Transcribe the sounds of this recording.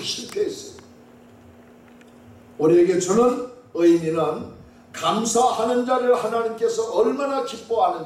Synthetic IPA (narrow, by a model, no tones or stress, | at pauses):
ɕʰiɭtʰeis͈ʌjid | uɾieɡe̞t͡ɕonɯn | ɯiminɯn | kamsʰahanɯnd͡ʑaɾɯɭhanaɲimk͈e̞sʰʌʌɭmanakip͈̚oɦanɯn